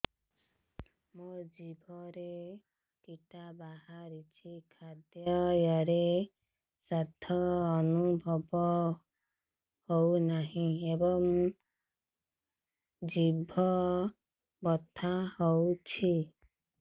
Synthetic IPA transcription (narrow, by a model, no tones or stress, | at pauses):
mod͡ʒibʱɔɾe | kiʈabaɦaɾit͡ʃʰikʰad̪jɔjɔɾe | sad̪ʱɔːnubʱɔbɔ | hownaɦĩebɔŋ | d͡ʒibʱɔ | bɔt̪ʰahowt͡ʃʰi